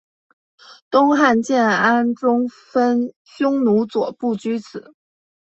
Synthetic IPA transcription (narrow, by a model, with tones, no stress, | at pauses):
t̪ʊ˥ŋxa˥˧nt͡ɕjɛ˥˩na˥nʈ͡ʂʊ˥ŋfə˥n | ɕjʊ˥ŋnu˧˥t͡swɔ˨˩pu˥˩t͡ɕy˥t͡sʰɹ̩˨˩˦